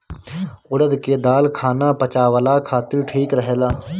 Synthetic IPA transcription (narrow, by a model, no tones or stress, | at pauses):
ʊɽəd̪keːd̪aːlkʰaːnaːpət͡ʃaːʋəlaːkʰaːt̪ɪɾʈʰiːkɾəɦeːlaː